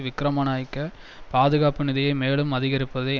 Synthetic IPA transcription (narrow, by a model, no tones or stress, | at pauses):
ʋɪkɾɐmɐnaːjkːɐ | paːðɯɣaːpɯnɪðɐjɐɪmeːɭɯmɐðɪɣɐɾɪpːɐðɐɪ